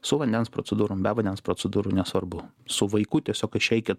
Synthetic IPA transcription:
sʊʋɐnʲd̪ʲɛnspɾo̰t͡s̪sʲɛd̪uːɾʊmbʲɛʋɐnʲd̪ʲɛnspɾot͡ssʲɛd̪uːɾʊnʲɛsʋɐɾbʊ | sʊʋɐɪkʊt̪ʲiɛsʲoːkɪʃʲɛɪkʲɪt

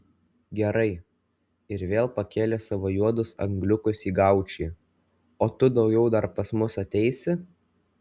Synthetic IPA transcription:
ɡʲɛɾɐɪ | ɪɾʋʲeːlˠpɐkʲeːlʲɛsɐʋoːjuɔd̪ʊsɐ̰ŋɡlʲʊkʊsiːɡɑˑʊt͡ʃʲiː | oːt̪ʊd̪ɒʊɡʲɛʊd̪ɐɾpɐsmʊsɐt̪ʲɛɪsʲɪ

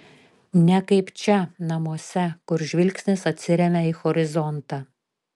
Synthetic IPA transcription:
nʲɛkɐɪpt͡ʃʲɛnɐmuɔsʲɛkʊɾʒʲʋʲɪlʲksʲnʲɪsɐt̪ʲsʲɪɾʲɛmʲɛixɔɾʲɪzɔnt̪ɑ

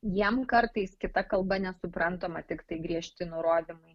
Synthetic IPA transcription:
jiɛmkɐɾt̪ɐɪskʲɪt̪ɐkɐlˠbɐnʲɛsʊpɾɐnt̪oːmɐt̪ʲɪkt̪ɐɪɡɾʲiɛʃʲt̪ʲɪnʊɾoːd̪ʲɪmɐɪ

